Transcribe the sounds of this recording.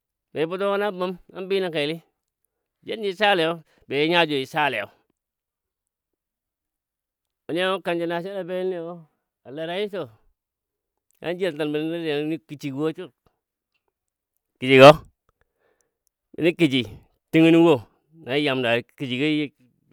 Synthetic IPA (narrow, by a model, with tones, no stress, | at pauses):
be˨ji˦bu˦to˦ko˦na˦ba˦ma̰˦nbi˦na˦ke˨li˦˨ | d͡ʒe˦nd͡ʒi˦sa˦le˨jo˦ | be˨ji˦ɲa˦d͡ʒo˨i˨sa˦le˨o̰˨ | o˨ni˦a˦wo˦ka˨nd͡ʒi˨na˨ʃe˦ɾa˨be˦ni˦˨o˦ | a˨le˨ɾa˦ji˦so˨ | a̰˦n˦d͡ʒi˦˨ta˨nbi˨n˦a˦ɾa˨˦ni˦ki˨t͡ʃi˨ɡwo˦t͡ʃu˦ | ki˨d͡ʒi˨ɡo˦ | ḭ˨ni˦ki˨t͡ʃi˨ | ti˦ŋi˦ni˦wo˦˨ | na˨˦ja˨mda˨ki˨d͡ʒi˨ɡo˦j